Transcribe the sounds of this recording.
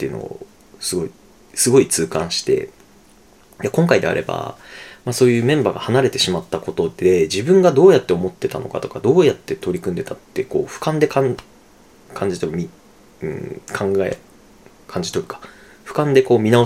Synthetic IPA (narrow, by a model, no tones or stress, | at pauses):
t̪ːeiɯ̟no̰o̰ | sɨɡo̞i | sɨɡo̞it͡sɨːkãɰ̃ɕi̥t̪e̞̰ | j̪akõ̞ŋkaid̪e̞̰a̰ɾe̞ba̰maso̞ːjɯ̟ːmẽ̞mbaːɡahanaɾe̞t̪e̞ɕimat̪ːako̞t̪o̞d̪e̞d͡ʑibɯ̟̃ŋɡad̪o̞ːjat̪ːe̞o̞mo̞t̪ːe̞t̪a̰no̞kat̪o̞kad̪o̞ːjat̪ːe̞t̪o̞ɾʲikɯ̟̃nd̪e̞t̪at̪ːe̞ko̞̰ːɸɯ̟̥kãnd̪e̞kã | kʰãɲ̟d͡ʑit̪okmʲi | ɯ̟̰̃kʰãŋɡaḛ | kʰãɲ̟d͡ʑi̥t̪o̞ɯ̟kḁ | ɸɯ̟̥kãnd̪e̞ko̞ːmʲinao